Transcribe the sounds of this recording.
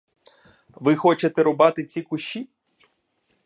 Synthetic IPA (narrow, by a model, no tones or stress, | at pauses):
ʋɪxɔt͡ʃet̪ɛɾɔbɑt̪ɪt͡sʲikʊʃʲi